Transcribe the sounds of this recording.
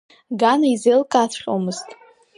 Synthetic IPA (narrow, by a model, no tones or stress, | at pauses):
ɡanaizejlkʼat͡sʷʰχʲʼo̰mɨztʼ